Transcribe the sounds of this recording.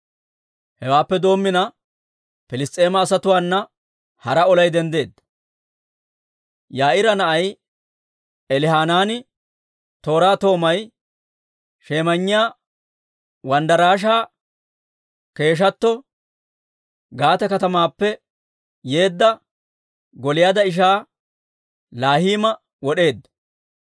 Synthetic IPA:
hɛwaːpːɛd̪o̞ːmːɪnɐ | pɪlɪst̪ʼe̞ːmɐːsɐt̪ʊwaːnːɐ | hɐɾɐɔlɐjd̪ɛnd̪e̞ːd̪ːɐ | jaːʔɪɾɐnɐʔɐj | ɛlɪɦaːnaːnɪ | t̪o̞ːɾaːt̪o̞ːmɐj | ʃe̞ːmɐɲːɪjaː | wɐnd̪ɐɾaːʃ̬aː | ke̞ːʃ̬ɐt̪ːɔ | ɡaːt̪ɐkɐt̪ɐmaːpːɛ | je̞ːd̪ːɐ | ɡɔlɪjaːd̪ɐɪʃ̬aː | laːhiːmɐ | wɔɗe̞ːd̪ːɐ

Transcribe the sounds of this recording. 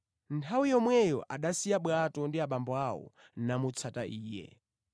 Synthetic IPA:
ntʰawijɔmwɛjɔ̰ʔaɗasijaɓwatɔndiaɓambɔawɔ̰ | namut͡sʰataʔiːjɛ̰

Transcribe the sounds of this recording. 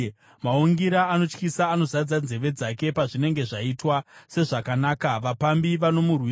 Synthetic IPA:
maoŋɡiɾaːno̞t͡ʃkisaːno̞zad͡zad͡ze̞ʋe̞d͡zake̞paʐine̞ŋɡe̞ʐaitwase̞ʐakanaːkaʋapambiʋano̞murwi

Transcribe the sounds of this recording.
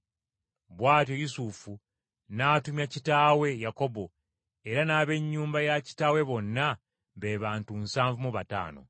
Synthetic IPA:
βwaːtjojusufu | naːtumjacitaːwe̞jako̞bo̞ | eɾanaːβe̞ɲːuːmbajaci̥taːwe̞βo̞nːa | βeβaːntumsaːɱvumuβata̰ːno̞̰

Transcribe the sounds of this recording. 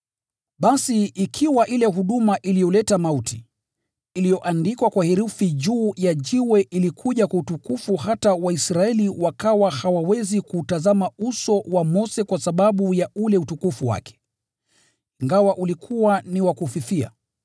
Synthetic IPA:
ɓasiikʰiwaʔilɛɦuɗumaʔilijɔlɛtamautʰi | ilijɔʔandikwakwahiɾufiʄuːjaʄiwɛʔilikʰuʄakwautukufuɦatawaisɾaɛliwakawahawawɛzikutazamausɔwamɔsɛkwasaɓaɓujaulɛutukufuwa̰kɛ̥ | iŋɡawaʔulikʰuwaniwakufiθia̰

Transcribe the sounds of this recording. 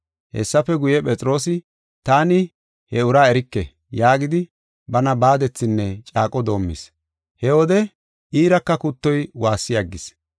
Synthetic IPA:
hɛ̰sːɐfɛɡʊjɛpʼɛt͡sʼɪɾo̞ːsɪ | t̪aːnɪ | hɛʊɾaːɛɾɪkːɛ̰ | jaːɡɪd̪ɪ | bɐnɐbaːd̪ɛt͡sːɪnːɛt͡ʃʼaːkʼɔd̪o̞ːmːɪ̰s | hɛwɔd̪ɛ | ʔiːɾɐkːɐkʊt̪ːɔjwaːsːɪjɐɡːɪs

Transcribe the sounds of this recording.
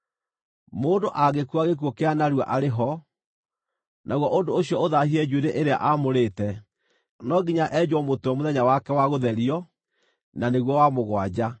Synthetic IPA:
moːndoʔaɣekuaɣek̬uɔkeanaɾwa̰ʔaɾeɦɔ | nʔaɣwɔʔondooɕjɔoðahiɛd͡ʑueɾeʔeɾea̰ʔamoɾetɛ | nɔɡiɲaʔɛd͡ʑwɔmotoɔmoðɛɲawakɛwaɣoðɛɾiɔ | naneɣwɔwamoɣwad͡ʑa

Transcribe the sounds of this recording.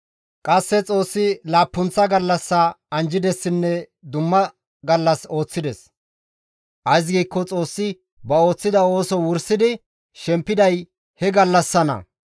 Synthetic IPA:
kʼɐsːɛt͡sʼo̞ːsːɪlaːpːʊnt͡sːɐɡɐlːɐsːɐɐnd͡ʒɪd̪ɛsːɪnːɛ | d̪ʊmːɐ | ɡɐlːɐso̞ːt͡sːɪd̪ɛs | ʔɐjs̬ɡiːkːɔt͡sʼo̞ːsːɪ | bɐo̞ːt͡sːɪd̪ɐo̞ːsɔwʊɾsɪd̪ɪ | ʃɛmpːɪd̪ɐj | hɛɡɐlːɐsːɐnɐ̰

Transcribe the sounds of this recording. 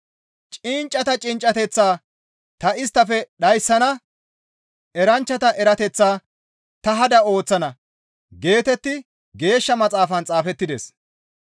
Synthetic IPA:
t͡ʃʼɪnt͡ʃʼːɐt̪ɐt͡ʃʼɪnt͡ʃʼːɐt̪ɛt͡sːaː | t̪ɐɪst̪ːɐfɛɗɐjsːɐnɐ | ɛɾɐnt͡ʃːɐt̪ɐʔɛɾɐt̪ɛt͡sːaː | t̪ɐɦɐd̪ɐo̞ːt͡sːɐnɐ | ɡe̞ːt̪ɛt̪ːɪ | ɡe̞ːʃːɐmɐt͡sʼaːfɐnt͡sʼaːfɛt̪ːɪd̪ḛs

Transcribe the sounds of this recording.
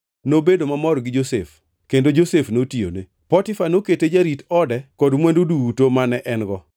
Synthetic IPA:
nobedomamɔɾɡɪd͡ʒosḛf | kendod͡ʒosefnotio̰ne | pɔtɪfanoketed͡ʒaɾitɔdɛkɔdmwɛndoduːtomanɛʔɛnɡɔ

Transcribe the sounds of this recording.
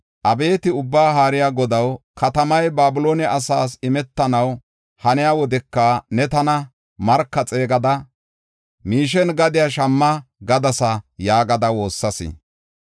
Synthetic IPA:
ʔɐbe̞ːt̪ɪʊbːaːɦaːɾɪjaɡɔd̪ɐwkɐt̪ɐmɐjbaːbʊloːnɛʔɐsaːsɪmɛt̪ːɐnɐw | hɐnɪjawɔd̪ɛkːɐnɛt̪ɐnɐ | mɐɾkːɐt͡sʼe̞ːɡɐd̪ɐ | miːʃ̬ɛnɡɐd̪ɪjaʃɐmːɐɡɐd̪ɐsɐjaːɡɐd̪ɐwo̞ːsːɐsɪ̰

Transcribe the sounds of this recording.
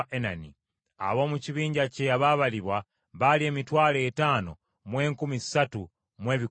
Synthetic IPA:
ʔenanḭ | a̰βo̞ːmuciβiːɲɟaceaβaβaliβwa | βalie̞ːmitwaːleːtano̰ | mwe̞ːŋkumisatu | mwe̞ːβi

